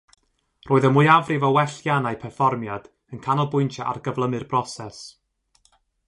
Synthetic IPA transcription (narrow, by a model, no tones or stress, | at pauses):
rʔoːɨðəmuɨavrɪvɔwɛɬjanajpʰɛrfɔrmjad̥ | ənkʰanɔlˠbʊɨntʰjaʔa̰rɡəvlˠəmɨrb̥rɔsɛs